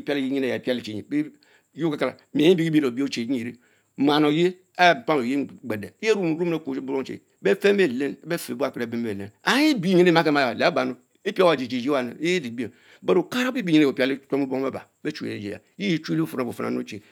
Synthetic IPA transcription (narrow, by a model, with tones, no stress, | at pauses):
pi˦a˦li˦ji˦ɲe˦ne˦˨ja˨e˨pi˦a˦li˨t͡ʃe˨ɲi˨be˦ | jo˦a˦ka˨la̰˨mi˨˦i˦bi˦i˦bi˦˨o˨bi˦o˦t͡ʃe˨˦ɲi˦˨ɾi˦ | ma˨no˨je˦ | a˦˨pa˦m˨o˨je˦ɡ͡be˨de˨˦jɾu˦m˨ɾu˦m˦e˦ko˨˦bu˦ɾo˦ŋ˦t͡ʃḛ˨˦be˦fe˦me˨le˦n˦be˦fe˨bu˦a˦˨ke˦ɾe˨be˦m˦e˨e˦na˨ji˦bi˦ɲe˦ne˦ma˦ke˦ma˨jle˨a˦ba˨no˦ | i˦pi˦a˨d͡ʒe˨d͡ʒe˨d͡ʒi˦wa˨nḛ˨˦di˨be˨ | be˦ɾo˨ka˦ɾa˦bi˦bi˦˨ɲe˦ne˦˨o˨pʲa˦li˦to˦mu˦bo˦ŋ˦e˦ba̰˨ | be˦t͡ʃu˨ḛ˨e˨d͡ʒḛ˨ja̰˨˦ji˦ji˦t͡ʃu˦li˦fo˨n˨a˨bo˨fa̰˨na̰˨˦o̰˦t͡ʃe˨